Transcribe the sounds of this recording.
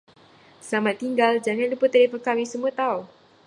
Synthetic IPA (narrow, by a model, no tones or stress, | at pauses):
samat̪ːiŋɡald͡ʒaŋanduput̪ːɛlifɔnkawisəmuət̪au